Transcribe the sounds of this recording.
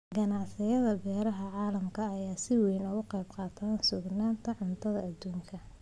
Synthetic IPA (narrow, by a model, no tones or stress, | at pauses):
ɡɐnɑʕsɪjɐðɐbɛːɾɐɦɐʕɑːlɐmkʰɐːjaːsɪwɛjnɔɣʊqɑjbqɑːt̪ʰaːnsʊɡnaːnt̪ʰɐʕʊnt̪ʰɐðɐːd̪ːuːŋkʰɐ